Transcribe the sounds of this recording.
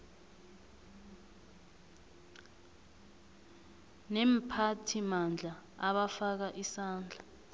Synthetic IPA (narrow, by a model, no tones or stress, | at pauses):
nɛm̩pʰatʰimand͡ɮʱaaɓafak̬aʔisaːnd͡ɮʱa